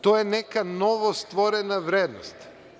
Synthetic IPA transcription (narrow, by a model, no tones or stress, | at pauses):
t̪ɔjɛnɛkanɔvɔst̪vɔɾɛnavɾɛd̪nɔst̪